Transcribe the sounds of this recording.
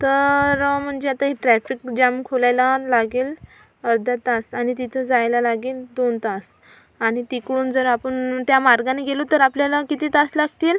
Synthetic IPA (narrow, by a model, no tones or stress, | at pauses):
t̪əɾm̤əɳd͡ʑeat̪aɦiʈɾæfikd͡ʑamkʰolajlalaɡeːl | əɾd̪ʱat̪asañit̪it̪ʰəd͡zajlalaɡeːld̪ont̪as | añit̪ikɽuːnd͡zəɾapəɳt̪jamaɾɡaneɡelot̪əɾapljalakit̪iːt̪aslaɡt̪il